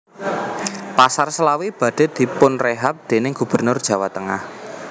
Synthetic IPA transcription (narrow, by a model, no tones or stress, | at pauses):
pasarsəlawib̥ä̤d̥e̤d̪̥i̤pʊnreɦap̚d̪̥e̤nɪŋɡ̥ub̥ərnʊrd̥ʒ̥ä̤wat̪əŋa̰h